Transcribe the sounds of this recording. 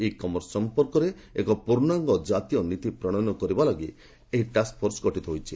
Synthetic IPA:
ekɔmɔɾsɔmpɔɾkɔɾe | ekɔpuɾnɔaŋɡɔd͡ʒat̪ijɔnit̪ipɾɔɽ̃ɔnɔkɔɾibalɔɡi | eɦiʈask̚pʰɔɾsɡɔʈit̪ɔɦojt͡ʃʰi

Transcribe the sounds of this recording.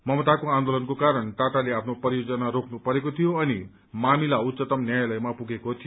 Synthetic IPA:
mʌmʌt̪akoãnd̪olʌnkokaɾʌnʈaʈaleapʰnopʌɾijod͡zʌnaɾokʰnupʌɾekot̪ʰijoʌni | mamilaut̪ːsʌt̪ʌmnjajlʌjmapuɡekot̪ʰij

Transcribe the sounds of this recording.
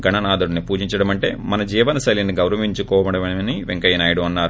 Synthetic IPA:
ɡɐɳɐnaːd̪uɽunipuːd͡ʒiɲt͡ʃɐɽɐmɐɳʈe̞̰ːmɐnɐd͡ʒiːʋɐnɐsɐliniɡɐwɾɐʋiɲt͡ʃukɔːʋɐɽɐmɐniʋeŋkɐjɐnaːjɐɽuɐnːaːɾu

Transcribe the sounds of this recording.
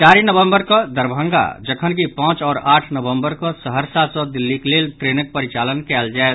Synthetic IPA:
t͡ʃaɾinəbəmbəɾkɔd̪əɾbʱə̃ŋɡa̰d͡ʒəkʰənkipãːt͡ʃɔːɾaːʈʰnəbəmbəɾkɔsəɦəɾsat̪sɔ̃d̪ilːiklelʈɾenək̚pəɾit͡ʃalənkɛld͡ʒaet̪

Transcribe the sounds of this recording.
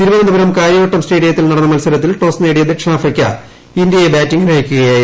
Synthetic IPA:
t̪iɾubɐnɐnd̪ɐbɐɾɐmkaːɾjɐɣɐʈːɐmsʈeːɽijɐt̪ːilnɐɽɐnːɐmɐlsɐɾɐt̪ːilʈo̞ːsneːɽijɐðɨʈʂaːfɐkʲːɐ̰ | ind̪ijɐjebaːtːiŋɡɐlaːjikʲːuɣɐjaː

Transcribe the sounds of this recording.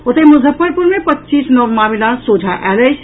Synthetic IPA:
ot̪əmʊzʱəpːəɾpuɾmepətːt͡ʃisnəʋmamilasod͡ʒʱaʔɛləjt͡ʃʰ

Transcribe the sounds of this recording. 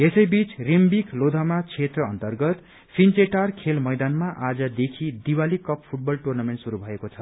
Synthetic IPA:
esʌjbit͡srimbiklod̪ʱamat͡sʰet̪rʌʌnt̪ʌrɡʌt̪ | pʰint͡seʈarkʰelmʌjd̪anmaʔad͡zʌd̪ekʰid̪iwalikʌppʰuʈ̚bʌlʈurnameɳʈsuɾubʱʌekot͡sʰʌ

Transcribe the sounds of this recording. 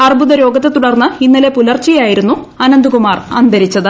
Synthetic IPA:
ɐrbuðɐɾo̞ːɡɐt̪ːet̪uɽɐrnːɨinːɐle̞pulɐrt͡ɕːijaːjiɾunːu | ɐnɐnd̪ukumaːrɐ̰nd̪ʱɐɾit͡ɕːɐðɨ

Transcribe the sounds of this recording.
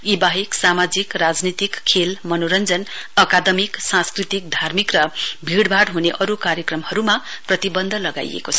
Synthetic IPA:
ibaɦiksamad͡zikrad͡znit̪ikʰːelmʌnoɾʌnd͡zʌnʌkad̪ʌmiksãskrit̪ik̚d̪ʱarmikrʌbʱiɽbʱaɽɦuneʔʌɾukaɾjʌkrʌmhʌɾumaprʌt̪ibʌnd̪ʱʌlʌɡa̰j̰ḛkot͡sʰʌ̥

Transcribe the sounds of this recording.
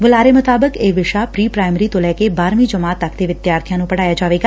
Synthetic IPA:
ʋʊlaːɾeːmʊt̪aːbəkeːʋɪʃaːpɾiːpɾaːɪmɾiːt̪õlɛːkeːbaːɾmiːd͡ʒəmaːt̪ːəkʰd̪eːʋɪd̪jaːɾt̪ʰijãːnũːpəɽaːjaːd͡ʒaːʋeːɡaː

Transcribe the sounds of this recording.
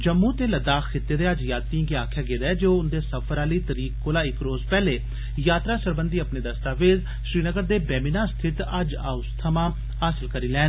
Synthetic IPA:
d͡ʒəmːuːt̪eːləd̪aːxkʰɪt̪ːeːd̪eːəd͡ʒjaːt̪ĩɡeaːkʰjaːɡeːd̪aɛːd͡ʒoːʊnd̪eːsəpʰəɾaːliːt̪əɾiːkkoːlaːɪkɾoːzpɛːleː | jaːt̪ɾaːsəɾbənd̪iːəpneːd̪əst̪aːʋeːd̪ | ʃɾiːnəɡəɾd̪eːbɛːminaːst̪ʰɪt̪əd͡ʒa̰ːʊst̪ʰəmãː | aːsəlkəɾiːlɛː

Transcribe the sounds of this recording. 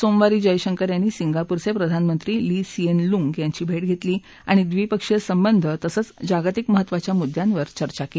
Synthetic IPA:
somʋaɾiːd͡ʑəjɕəŋkəɾjanːiːsiŋɡapuɾsepɾəd̪ʱanmənt̪ɾiːliːsienluŋɡjaɲt͡ɕiːbʱeʈɡʱet̪liː | aɽ̃id̪ʋipəkʂesəmbənd̪ʱət̪əsəːt͡sd͡ʑaɡt̪ikməɦət̪ːʋat͡ɕjamud̪ʱjãnʋəɾt͡ɕəɾt͡ɕakel

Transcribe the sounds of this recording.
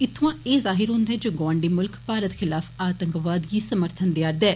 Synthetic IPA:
ɪt̪ʰːʋãːeːzaːɦɪɾɦʊ̃nd̪ɦɛːd͡ʒoːɡɔ̃ːɳɖiːmʊlkpaːɾət̪xʰɪlaːfʰaːt̪əŋkʋaːd̪ɡiːsəməɾt̪ʰənd̪ɪjaːɾd̪ɛː

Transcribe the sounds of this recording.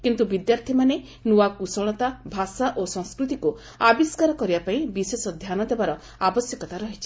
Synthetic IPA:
kint̪ubid̪jaɾt̪ʰimane | nuakusɔɭ̃ɔt̪abʱasaʔosɔ̃ŋskɾut̪iku | abiskaɾɔkɔɾibapaĩbisesɔd̪ʱjanɔd̪ebaɾɔ | abɔsjɔkɔt̪aɾɔɦit͡ʃʰi

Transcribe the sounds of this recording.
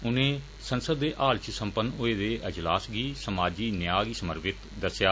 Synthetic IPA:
ʊnẽː | sənsəd̪ːeːʔaːlt͡ʃsə̃mpənʊeːd̪eːʔɪd͡ʒlaːsɡiːsəmaːd͡ʒiːnɪjaːɡiːsəməɾbɪt̪d̪əsjaː

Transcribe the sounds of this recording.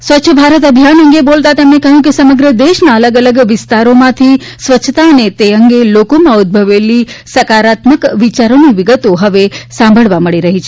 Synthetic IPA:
sʋətːʃʰəbʱaɾət̪əbʱijanəŋɡebolt̪at̪emnekəɦjũkesəməɡɾəd̪eʃnaələɡələɡʋɪst̪aɾomãt̪ʰi | sʋətːt͡ʃʰːt̪aənet̪eəŋɡelokomãud̪̚bʱəʋelisəkaɾat̪məkʋit͡ʃaɾoniʋiɡət̪oɦəʋesãmbʱəɭʋaməɭiɾəɦit͡ʃʰe

